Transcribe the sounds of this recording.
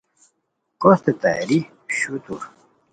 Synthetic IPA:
kost̪et̪a̰ɾi | ɕut̪uɾ

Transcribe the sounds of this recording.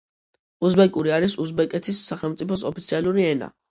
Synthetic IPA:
usbɛkʼuɾiaɾisusbɛkʼɛt̪ʰisːaχɛlˠmt̪sʼipʰɔsɔpit̪sʰialˠuɾiɛna̰

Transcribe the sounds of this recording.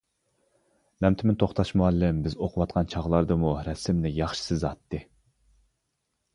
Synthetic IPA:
mɛmt̪ʰɪmɪnt̪ʰoχt̪ɑʃmuɑlːɪmbɪzoqʰʊwɑt̪̚qʰɑnt͡ʃʰɑʁlˠɑɾd̪ɨmuɾɛsɪmnɪjɑχʃi̥sɪzɑt̪ʰːɨ

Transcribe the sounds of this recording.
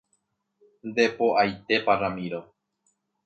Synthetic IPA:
nd̪e̞poʔajt̪e̞paramĩɾo

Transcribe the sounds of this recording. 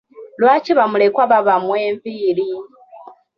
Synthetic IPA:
lwaːciβamulekwaβaβamweːɱviːɾi

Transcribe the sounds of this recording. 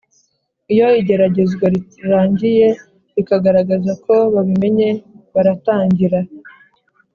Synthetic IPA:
ijo̞iɟe̞ɾaɟe̞zɡwaɾiɾaːɲɟije̞ | ɾikaɡaɾaɡazakʰo̞βaβime̞ɲe̞βaɾataːɲɟiɾa

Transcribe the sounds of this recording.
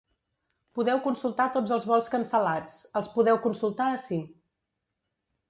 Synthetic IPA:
puðɛwkunsulˠt̪at̪od͡zəlˠzβɔlˠskənsəlat͡səlˠspuðɛwkunsulˠt̪aəsi

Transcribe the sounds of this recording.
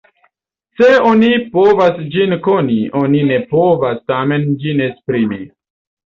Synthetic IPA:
seonipovasd͡ʒinkonionine̞povastame̞nd͡ʒinespɾimi

